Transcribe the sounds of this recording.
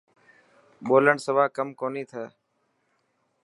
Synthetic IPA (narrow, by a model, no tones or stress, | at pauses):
ɓoːləɳsəʋaːkəmkoːniːt̪ʰəː